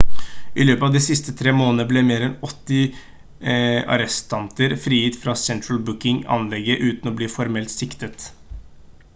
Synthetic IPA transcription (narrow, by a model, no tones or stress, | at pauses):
ʔɪløːpəɑʋd̪iːsɪst̪ət̪ʰɾeːmoːnənəblɛmeːɾɛnɔt̪ːɪ | ɑ̰ɾɛst̪ɑnt̪əɾfɾiːjɪt̪fɾɑsɛnt̪ɾɑlbʊkɪŋɑ̰nlɛɡəʔʉːt̪n̩ɔbliːfɔɾmɛlt̪sɪkt̪ət̪